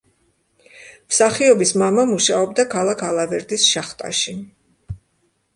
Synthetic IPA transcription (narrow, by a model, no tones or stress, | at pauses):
msaχiɔbismamamuʃaɔbd̪akʰalˠakʰalˠavɛɾd̪isʃaχt̪ʼa̰ʃi